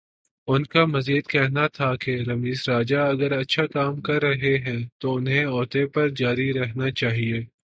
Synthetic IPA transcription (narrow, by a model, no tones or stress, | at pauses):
ʊnkamɐziːd̪kɛɦnat̪ʰakeɾɐmiːzɾaːd͡ʒaɐɡəɾɐtːʃʰakaːmkɐɾːɐɦeɦɛ̃t̪oʊnɦẽɔːt̪epɐɾd͡ʒaːɾiɾɛɦnat͡ʃaːɦieː